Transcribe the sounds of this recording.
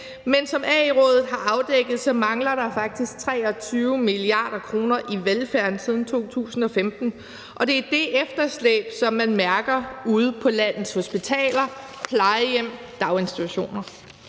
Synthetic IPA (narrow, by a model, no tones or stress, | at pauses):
mensɒ̽mʔɛːiʁɔ̽ːðˠð̩ˠɦɑ̈ʔɑ̈ʊd̥eɡ̥ð̩ˠsɒ̽mɑ̈ŋlɐɾ̥ɑ̈fɑ̈ɡ̥̚d̥isɡ̥̚t͡sʰʁɛ̰ːɒ̽t͡sʰyːʊmiliɑ̰̈ːɾ̥ɐkʰʁo̝ːnɐʔiʋelfæɐ̰nsið̞ˠn̩t͡sʰo̝̰ːt͡sʰṵːsn̩ɒ̽femd̥n̩ | ʔɒ̽d̥e̝æd̥e̝ʔefd̥ɐslḛːb̥sɒ̽mːænmæɐɡ̥ɐuːð̞̩ˠpʰɒ̽læn̰ð̩ˠsho̝sb̥it͡sʰɛ̰ːlɐ | pʰlɑ̈ɪɪjem̰ | d̥ɑ̈ʊe̝nsit͡sʰuɕo̝̰ːnɐ